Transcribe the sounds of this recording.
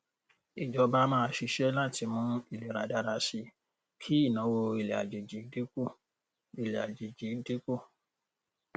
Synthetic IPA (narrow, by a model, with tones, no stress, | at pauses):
i˨d͡ʒɔ˨˧˦ba˦mãː˦˧˦ʃi˧ʃɛ˦lã˦˨tʰi˧˦mũ˧˦i˦˨le˨ɾa̰˨da˧ɾa˧ʃi˧ | kʰi˦i˦˨nã˨˦wo˧i˨le˨a̰˨d͡ʒe˨d͡ʒi˨˦de˦ku˦˨ | i˨le˨a̰˨d͡ʒe˨d͡ʒi˨˦de˦ko˦˨